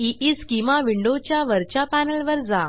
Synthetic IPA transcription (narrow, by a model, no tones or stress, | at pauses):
iʔiskimʋaʋiɳɖot͡ɕjaʋəɾt͡ɕapænəlʋəɾd͡za